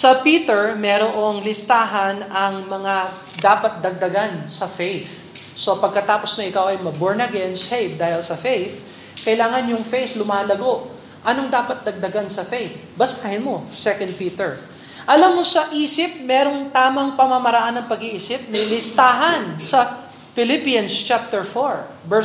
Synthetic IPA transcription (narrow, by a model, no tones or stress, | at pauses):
sɐpiːt̪ɛɹmɛɾoʔoŋlɪst̪aːɦɐnɐŋmɐŋa | d̪aːpɐt̪̚d̪ɐɡ̚d̪ɐɡansɐfejθ | so̞pɐɡ̚kɐt̪aːpo̞snɐʔɪkawʔɐjmɐboɹnɐɡɛnsejvd̪aːhɪlsɐfejθ | kɐʔɪlaːŋɐnjʊŋfejθlʊmaːlɐɡo̞ʔ | ʔɐnoŋd̪aːpɐt̪̚d̪ɐɡ̚d̪ɐɡansɐfejθbɐsɐkahɪnmosɛkɐnd̪̚piːt̪ɛɹ | ʔɐlɐmːosɐʔiːsɪp̚mɛːɾo̞ŋt̪aːmɐŋpɐmamɐɾɐʔanːɐŋpɐɡiʔiːsɪp̚nɐlɪst̪aːɦɐnsɐ | fɪlɪpijɐnst͡ʃap̚t̪ɛɹfoɹ | bɛ